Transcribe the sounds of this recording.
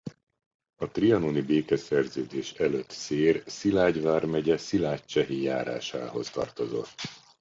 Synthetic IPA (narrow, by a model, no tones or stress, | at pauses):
ɒt̪riɒnonibeːkɛsɛrzøːd̪eːʃɛløt̪seːrsilaːɟvaːrmɛɟɛsilaːct͡ʃɛɦijaːɾa̰ːʃa̰ːɦo̞st̪ɒ̰rt̪o̞zo̞̰t̪ː